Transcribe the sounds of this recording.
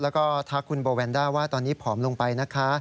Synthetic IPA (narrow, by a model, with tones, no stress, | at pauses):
lɛː˦˥wkɔː˥˩t̪ʰa˦˥kʰːu˧nboː˧wɛː˧ndaː˥˩jwaː˥˩t̪ɔː˧nːiː˦˥pʰɔː˩˦mlo˧ŋpa˧jna˦˥kʰa˦˥